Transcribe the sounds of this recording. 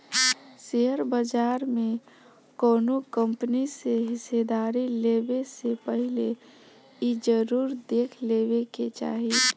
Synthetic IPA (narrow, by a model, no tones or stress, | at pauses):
seɦəɾbəd͡ʒaːɾmẽ | koːnokə̃mpəniseɦɪsed̪aːɾileːbesepəɦɪle | id͡ʒəɾuːɾd̪eːkʰleːbeket͡ʃa̰ːɦi